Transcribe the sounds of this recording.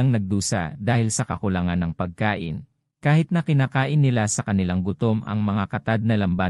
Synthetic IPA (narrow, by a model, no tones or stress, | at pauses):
ɐŋnɐɡ̚d̪uːsa̰d̪aːhɪlsɐkɐkʊlɐŋanːɐŋpɐɡ̚kaːʔɪ̰n | kaːhɪt̪̚nɐkɪnaːkaːʔɪnːɪlasɐkɐnɪlaŋɡʊt̪o̞mɐ̰ŋmɐŋakɐt̪ad̪̚nɐlɐmba